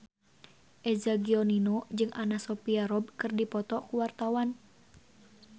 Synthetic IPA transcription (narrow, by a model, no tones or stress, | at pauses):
ʔɛzaɡiɔninod͡ʒɨŋʔanasɔpiaɾɔb̚kɨrdipɔt̪ɔkuwart̪awan